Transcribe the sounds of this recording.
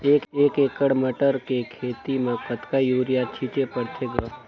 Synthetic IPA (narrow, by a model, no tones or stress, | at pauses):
eːkeːkeːkəɽməʈəɾkekʰeːt̪imẽkət̪kajuːɾijat͡ʃʰit͡ʃepəɽt̪ʰeɡa